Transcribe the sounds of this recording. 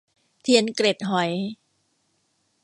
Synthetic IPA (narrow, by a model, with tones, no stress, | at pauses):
t̪ʰi˧˦ənkle˨˩t̪̚ɦɔ˨˩j